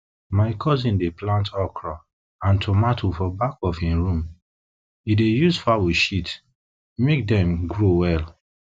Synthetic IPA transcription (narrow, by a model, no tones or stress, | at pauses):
maɪkʰɔzĩndeplãntʰɔkʰɹa | ãntʰomatʰofɔbakɔfĩɹũm | idejuzfavoʃit | mek̚dɛ̃mɡɹowɛl